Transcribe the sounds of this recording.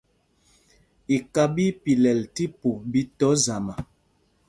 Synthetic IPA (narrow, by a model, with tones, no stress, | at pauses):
i˨ka˦bi˦pi˨lɛ˨lti˦po˨bi˦tɔ˨˦za˨ma˨